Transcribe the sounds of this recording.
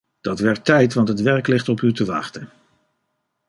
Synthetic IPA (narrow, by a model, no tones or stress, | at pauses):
d̥ɑtʋɛɹtːɛjtʋɑntɦətʋɛɹklɪχtɔpytəʋɑ̰χtən